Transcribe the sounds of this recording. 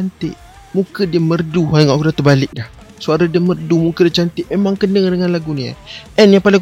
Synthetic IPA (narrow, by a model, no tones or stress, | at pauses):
ant̪ɪʔ | mukədiəmərduɦaŋɡaʔkudat̪əbalɪk̚dah | suaɾədəmərdumukədət͡ʃant̪ɪʔmemaŋkənəŋdəŋanlaɡunia̰ʔɛnjaŋpalɪŋ